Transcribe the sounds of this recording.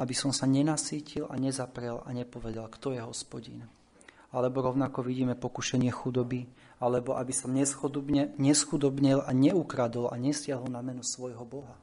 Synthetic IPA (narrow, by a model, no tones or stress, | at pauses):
abisɔmsaɲɛnasiːcila̰ɲɛzapɾɛlaɲɛpɔʋɛd̪alkt̪ɔjɛɦɔspɔɟḭn | alɛbɔɾɔʊnakɔʋiɟiːmɛpɔkuʃɛɲɪɛxud̪ɔbi | alɛbɔʔabisɔmɲɛxuɲɛsxud̪ɔbɲilaɲɛukɾad̪ɔlʔa̰ɲɛsɪaɦɔlnamɛnusʋɔjɦɔbɔɦa